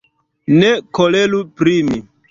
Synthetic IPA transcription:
nekolelupɾimi

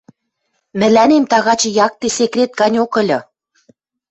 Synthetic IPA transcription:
mɘ̆lænemt̪ɑɣɑt͡ɕjɑk̚t̪esekrʲet̪̚ɡɑnʲokɤ̆lʲɤ̆

